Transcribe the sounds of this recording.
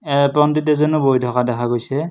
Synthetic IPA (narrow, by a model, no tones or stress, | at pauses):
ɛpɹɔmditɛzɔnubojdʱɔkadɛkʰaɡojsɛ